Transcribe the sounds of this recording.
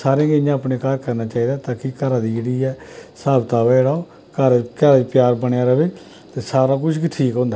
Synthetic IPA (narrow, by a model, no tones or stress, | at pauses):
saːɾẽːɡejãːəpneːkəɾkəɾnaːt͡ʃaːiːd̪aːt̪ãːkikəɾãːd̪iːəɽiːɛːsaːbt̪aːʋɛːɽaːoː | kəɾkɛɾat͡ʃpɪjaːɾbəɽeaːɾəʋeː | t̪eːsaːɾaːk̬ʊt͡ʃʰkiʈʰiːkɦõːnd̪aː